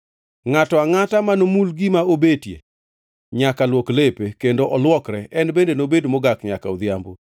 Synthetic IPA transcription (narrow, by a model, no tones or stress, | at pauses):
ŋatɔaŋatamanomulɡɪmaobetjḛ | ɲakalwoklepekendoʔɔlwɔkɾɛʔɛnbendenobedmɔɡakɲaka̰od̪jambo